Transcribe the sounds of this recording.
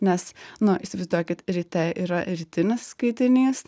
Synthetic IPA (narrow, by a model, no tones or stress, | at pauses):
nʲɛsnʊʔɪsʲɪʋɪzd̪uɔkʲɪt̪ɾʲit̪ʲɛʔiːɾɐɾʲiːt̪ʲɪnʲɪsːkɐɪt̪ʲɪnʲiːs